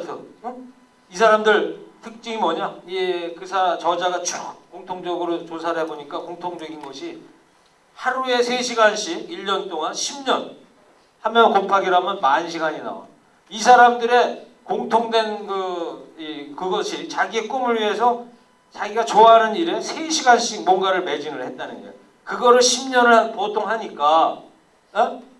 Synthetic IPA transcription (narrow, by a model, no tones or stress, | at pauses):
isʰaɾamdɯɭtʰɯk̚t͡ɕ͈iŋimwʌɲaiekɯsʰat͡ɕʌd͡ʑaɡat͡ɕ͈ok̚k͈ːoŋtʰoŋd͡ʑʌɡɯɾot͡ɕos̬ʰaɾeboɲik͈akoŋtʰoŋd͡ʑʌɡinɡʌɕʰi | haɾue̞sʰeɕʰiɡanɕʰiiʎːʌnt͈oŋanɕʰimɲʌn | hamjʌnkopʰaɡiɾamjʌnmaɯnɕʰiɡaɲina̰o̰ | isʰaɾamdɯɾe̞ | koŋtʰoŋdwe̞nkɯikɯɡʌɕʰit͡ɕaɡie̞k͈umɯɭɥiɦe̞sʰʌ | t͡ɕaɡiɡat͡ɕoaɦanɯniɾe̞sʰeɕʰiɡanɕ͈ʰik̚monɡaɾɯɭme̞d͡ʑiŋɯɭhe̞t̚t͈anɯnɡḛjo | kɯɡʌɾɯɭɕʰimɲʌnɯɭanpotʰoŋɦaɲik͈a | e